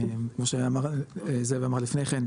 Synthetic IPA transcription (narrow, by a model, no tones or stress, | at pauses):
mkmo̞ʃeamaʁzeveamaʁlifnejχen